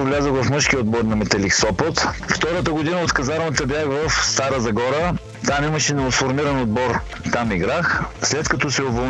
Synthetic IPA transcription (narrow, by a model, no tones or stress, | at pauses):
vlʲazəvɐfmɤʃkiod̪̚bɔɾnɐmɛt̪ɛlixsɔpət̪ft̪ɔɾət̪əɡod̪inəot̪kɐzaɾvət̪əbjaxvɐfst̪aɾəzɐɡɔɾə | t̪anɛmɐʃɛnoosfoɾmiɾɐnod̪̚bɔɾ | t̪amiɡɾaxslɛt̪kɐt̪ɔsɛovol